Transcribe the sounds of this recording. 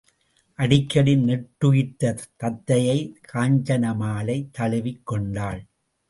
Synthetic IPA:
ʔɐɽɪkːɐɽɪnnɛʈːɯjɪt̪ːɐt̪ːɐt̪ːɐjɐɪkʰaːɲd͡ʒɐnɐmaːlɐɪt̪ːɐɭɪʋɪkːɔɳɖaːɭ

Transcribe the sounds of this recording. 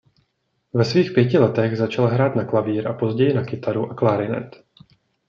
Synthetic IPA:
vɛsviːxpjɛcɪlɛt̪ɛɣzat͡ʃalɦɾaːt̪naklaviːɾʔapo̞zɟɛjɪnakɪt̪aɾuʔaklaːɾɪnɛ̰t̪

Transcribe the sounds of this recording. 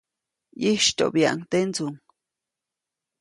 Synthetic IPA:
jiʃt̪o̰ʔbja̰ʔŋt̪ent͡suŋ

